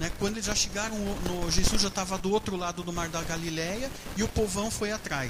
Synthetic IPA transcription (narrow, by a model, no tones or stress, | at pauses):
nɛkwɐ̃nd̪ʊelɪzʒaʃeɡaɾɐ̃w̃ʊnʊʒezuzʒat̪avɐd̪ʊot̪ɾʊlad̪ʊd̪ʊmaɾd̪ɐɡalilɛjɐ | ɪʊpovɐ̃w̃fojat̪ɾaj